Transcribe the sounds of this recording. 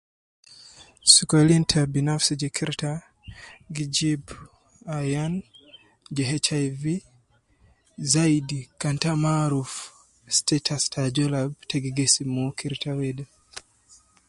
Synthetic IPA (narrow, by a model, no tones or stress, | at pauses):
sukɔlintʰabinafsid͡ʒɛkʰiɾta | ɡid͡ʒib | ajan | d͡ʒɛɦɛt͡ʃajvi | zaidikantamaɾuf | stɛtʰastʰad͡ʒɔlab̚tʰɛɡiɡɛsimɔkʰiɾtʰawɛda